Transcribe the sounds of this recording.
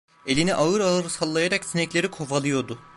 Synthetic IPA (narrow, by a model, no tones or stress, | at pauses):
e̞lʲiniʔaɯɾalˠɯɾɯsalˠːajaɾaksinɛclʲe̞ɾikʰo̞falˠɯjo̞d̪ʊ